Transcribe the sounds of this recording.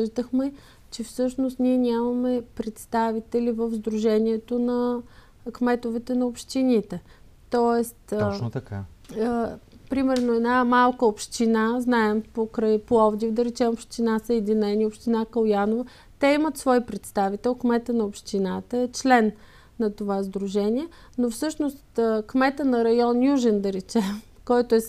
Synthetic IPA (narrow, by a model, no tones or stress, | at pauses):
əʒd̪əxmɛ | t͡ʃɛfsɤʃnost̪niɛnʲamɐmɛpɾɛt̪st̪avit̪ɛlivəvzd̪ɾuʒɛnʲiɛt̪onɐ | kmɛt̪ovɛt̪ɛnɐopʃt̪init̪ɛ | t̪ɔɛst̪t̪ɐka̰ | pɾimɛɾnoɛd̪namalˠkəopʃt̪inaznaɛmpokɾəjpoɔvd̪ifd̪ɐɾɛt͡ʃɛmopʃt̪inasəɛd̪inɛnʲiopʃt̪inakɐlˠjanovə | t̪ɛimət̪svɔipɾɛt̪st̪avit̪ɛlˠkmɛt̪ənɐopʃt̪inat̪əɛt͡ʃlɛnː | ɐt̪ovazd̪ɾuʒɛnʲiɛ | nofsɤʃnost̪kmɛt̪ənɐɾɐjɔnjuʒɛnd̪ɐɾɛt͡ʃɛm | kɔjt̪ʊɛ